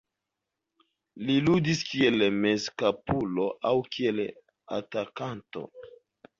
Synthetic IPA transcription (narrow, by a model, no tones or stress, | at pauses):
liludiskie̞lmeskapulo̞ʔawkie̞l | a̰takanto̞̰